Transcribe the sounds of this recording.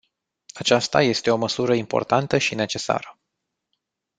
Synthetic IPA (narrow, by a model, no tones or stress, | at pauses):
at͡ʃast̪aje̞st̪e̞o̞məsuɾəimpo̞̰rt̪ant̪əʃine̞t͡ʃe̞sa̰ɾə